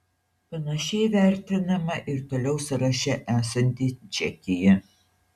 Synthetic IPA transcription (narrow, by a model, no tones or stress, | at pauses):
pɐnɐʃʲɛɪʋʲæˑɾʲt̪ʲɪnɐmɐʔɪɾt̪oːlʲɛʊsʊɾɐʃʲɛʔæːsɐnʲt̪ʲiːt͡ʃʲɛkʲɪjɛ